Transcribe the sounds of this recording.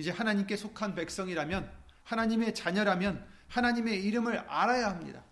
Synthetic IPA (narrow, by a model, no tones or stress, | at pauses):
id͡ʑe̞hanaɲimk͈e̞sʰokʰanpe̞k̚s͈ʌŋiɾamjʌn | hanaɲime̞t͡ɕaɲʌɾamjʌnhanaɲime̞iɾɯmɯɾa̰ɾajahamɲḭda̰